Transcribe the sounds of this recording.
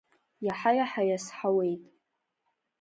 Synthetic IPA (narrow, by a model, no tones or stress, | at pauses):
jaħajaħaɥasħawe̞jtʼ